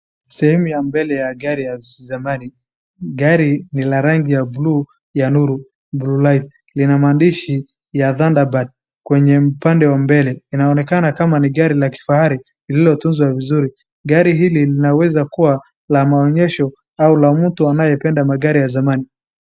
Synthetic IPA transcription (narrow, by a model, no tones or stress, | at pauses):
sɛhɛmujambɛlɛjaɡaɾijazamani | ɡaɾinilaɾaŋɡijablu | januɾu | blulajt̚ | linamaːndiʃi | jaðandabad̚ | kwɛɲɛupandɛwambɛlɛinaɔnɛkanakamaniɠaɾilaki̥fahaɾi | lililɔtunzwavizuɾi | ɡaɾiɦililinawɛzakuwa | lamaɔɲɛʃɔ | aulam̩tuanajɛpɛndamaɠaɾijazamani